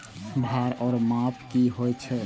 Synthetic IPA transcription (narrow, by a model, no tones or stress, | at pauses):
bʱaɾɔːɾmapʰkiɦojt͡ʃʰɛ